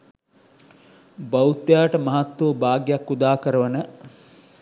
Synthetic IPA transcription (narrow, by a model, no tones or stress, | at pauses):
bɐut̪jaːʈəmɐɦat̪ːuːbaːɡjakːud̪aːkəɾəʋənə